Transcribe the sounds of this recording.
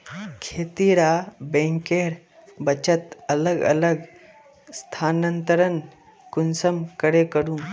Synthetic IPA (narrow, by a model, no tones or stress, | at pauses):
kʰeːt̪iɾabẽːŋkeːɾ | bɐt͡ʃət̪ɐləɡɐ̰ləɡ | st̪ʰaːnənt̪əɾən | kʊnsəmkəɾekəɽũ